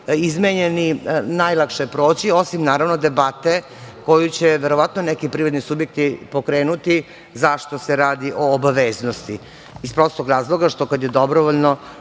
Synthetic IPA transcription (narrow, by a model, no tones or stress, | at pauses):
izmeɲeninajlˠakʃepɾo̞ːt͡ɕio̞simnaːɾaʋnod̪e̞bat̪e | ko̞jut͡ɕeʋeɾo̞ʋat̪nonekipɾiʋad̪nisubjek̚t̪ipokɾeːnut̪i | zaʃt̪oseɾaːd̪iʔo̞ːbaʋeːznost̪i | ispɾo̞st̪ˠoɡɾaːzlˠo̞ɡaʃt̪o̞kad̪jed̪obɾoʋoʎno